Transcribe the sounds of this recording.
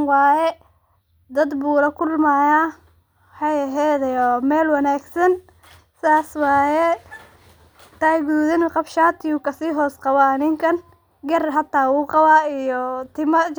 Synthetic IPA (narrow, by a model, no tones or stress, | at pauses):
wɑːjɛ | d̪ɐd̪buːlɐkʰʊlmaːjaː | wħɑjɐɦɛd̪ɛjɔmɛːlwɐnaːɡsɐn | saːswɑːjɛ | t̪aːɡuːðɪnqɑbʃaːt̪ʰɪjukʰɐsiːɦɔːsqɑβɐɐnɪŋkʰɐn | ɡɐrɦɐt̪ʰːaːwuːqɑβaːijɔt̪ʰɪmɐ